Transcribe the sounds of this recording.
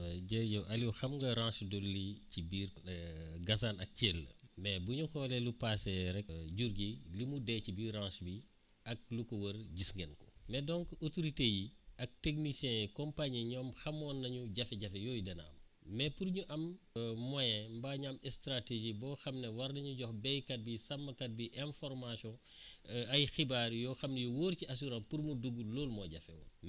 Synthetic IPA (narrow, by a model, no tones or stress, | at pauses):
ɟɛɟɔʔɐliwxɐmɡɐɾãːʃdolːicibiːr | ɡɐsaːnɐk̚cɛːlːə̰mɛbuɲuxɔːlɛlupasɛɾɛk̚ɟuɾɡilimudɛcibiːrãnsbi | ɐk̚lukɔwɐɾɟisŋɡɛnkɔ̥mɛdɔːŋkotoɾitejiɐk̚teknisɛ̃kɔmpaɲiɲɔːmxɐmɔːnːɐɲuɟɐfɛɟɐfɛjɔːjdɐnɐ̰ɐ̰m | mɛpuɾɲuʔɐmːɔjɛ̃mbaːɲamɛstɾateʒibɔːxɐmnɛwɐɾnɐɲuɟɔxbɛjkɐt̚bisɐmːɐkɐt̚biʔɛ̃nfɔɾmasjɔ̃ | ɐjxibaːɾjɔːxɐmnɛjuwoːɾciɐs̬uɾãpuɾmuduɡuloːlmɔɟɐfɛwɐ̰m